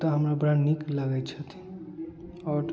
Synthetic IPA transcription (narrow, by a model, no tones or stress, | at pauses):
t̪əɦəmɾabəɾanikləɡɛt͡ʃʰət̪ʰi̥ | ɔɾ